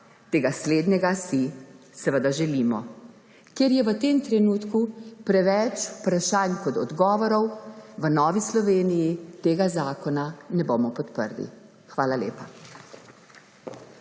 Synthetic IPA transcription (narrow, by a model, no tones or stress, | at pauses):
t̪eːɡasleːd̪nɛɡasi | sɛʋəd̪aʒɛliːmɔ | kjeɾjɛʋət̪eːmt̪ɾɛnuːt̪kupɾɛʋɛt͡ʃu̥pɾaʃaːnkɔt̪ɔd̪ɡɔːʋɔɾɔwʋənɔːʋislɔʋeːnijit̪eːɡazaːkɔnanɛboːmɔpɔt̪pə̰ɾlḭ | xʋaːlaleːpa